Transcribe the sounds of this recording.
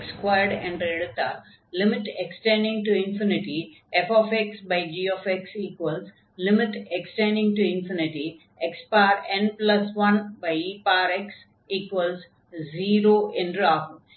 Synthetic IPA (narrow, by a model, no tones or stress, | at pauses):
ekskwaɪəɾɖɛ̰̃ɳɖɾeːɖt̪a̰ | lɪmɪʈeksʈẽɳɖɪ̃ŋʈuɪ̃nfɪnɪʈi | efɔːfeksbaɪd͡ʒiːɔːfeksiːkwəls | lɪmɪʈeksʈẽɳɖɪ̃ŋʈuɪ̃nfɪnɪʈi | ekspaːɾẽnplɐsʋɐ̃nbaɪipaːɾeks | iːkwəls | ziːɾoːʔɪ̃nɾaːf